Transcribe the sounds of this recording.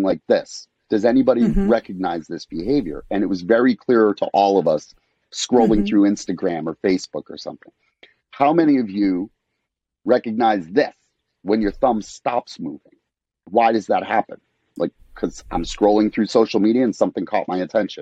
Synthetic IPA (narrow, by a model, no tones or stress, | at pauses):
ŋlaɪk̚ðɪs | d̥ʌzɛnibɑɾiɹɛkɨɡ̚naɪzðɪsb̥ɨɦeɪvjə̰˞ɨ̃nɨt̚wʌzvɛɹikʰl̥ɪɹɾə̰ʔɔlˠʌvʌsː | kɹoʊlˠɪ̃ŋθɹʉɪ̃nstɨɡɹæ̃mə˞feɪsb̥ʊkə̰˞sʌ̰̃mθɪ̰̃ŋ | haʊmɛñiʌvjɨ | ɹɛkɨɡ̚naɪzðɪs | wə̃njə˞θʌ̃mstɑpsmṵvɪ̰̃ŋ | waɪɾʌzðət̚hæpə̃n | lʔa̰ɪkʰʌzã̰ɪ̃mskɹoʊlˠɪ̃ŋθɹʉsoʊʃl̩ˠmiɾiɨɨ̃nsʌ̃mθɪ̃ŋkʰɔ̰t̚maɪɨtʰɛ̃nʃɨ̃n